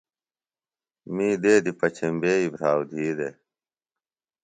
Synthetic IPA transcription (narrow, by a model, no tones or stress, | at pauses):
miːd̪eːd̪ipɐt͡ɕʰembeːibʱɾaːwd̪ʱiːd̪e